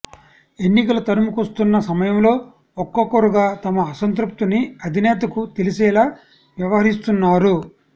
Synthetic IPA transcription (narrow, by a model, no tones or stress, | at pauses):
e̞nːikɐlɐt̪ɐɾumukɐst̪unːɐsɐmɐjɐmlo̞ː | ɔkːɐkːoɾuɡaːt̪ɐmɐːsɐnt̪ɾup̚t̪iniɐd̪ʱinɛːt̪̬ɐkut̪elisɛːlaː | ʋjɐʋɐɦɐɾist̪unːaːɾu